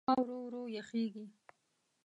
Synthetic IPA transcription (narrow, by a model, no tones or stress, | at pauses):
ɑwɾowɾojaxeɡi